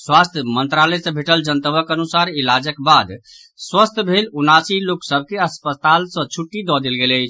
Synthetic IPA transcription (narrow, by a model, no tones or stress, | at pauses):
swast̪ʰjəmənt̪ɾalɛsə̃bʱeʈəld͡ʒənt̪əbəkənusaɾilad͡ʒəkbad̪ | swəst̪ʰbʱelunasiloksəb̚ʱkeəspət̪alsə̃t͡ʃʰuʈːid̪ɔd̪elɡeləjt͡ʃʰ